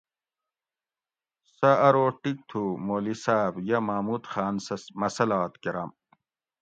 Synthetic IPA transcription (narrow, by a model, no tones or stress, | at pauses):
sɐɐɾoːʈik̚t̪ʰumoːlisaːbjɐmaːmuːt̪xaːnsmɐsɐlaːt̪keɾaːm